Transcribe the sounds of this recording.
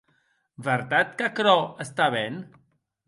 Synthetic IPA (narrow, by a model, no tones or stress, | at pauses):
bəɾt̪at̪kakɾɔəst̪aβen